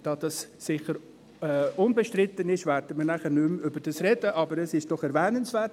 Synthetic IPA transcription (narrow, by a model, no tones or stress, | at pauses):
d̥ɑd̥ɑsːɪχəɾ | ɛʊnbɛʃtɾɪt̪ːənɪʃvɛɾd̥əmənæχənʏmʏbəɾd̥ɑsrɛd̥əʔɑbəɾɛsɪʃd̥ɔχɛɾvɛːnənsvɛːt